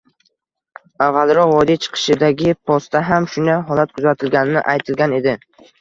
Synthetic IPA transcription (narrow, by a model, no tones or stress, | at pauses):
avːalˠɾɒqvɒd̪it͡ʃʰɨ̥qʰɨ̥ʃɪd̪aɡʲɪpʰɒst̪aɦamʃʊnajɦɒlat̪̚kʰʊzat̪ʰɪlɡʲanɪnɪ̰ʔajt̪ʰɪlɡʲane̞d̪ɪ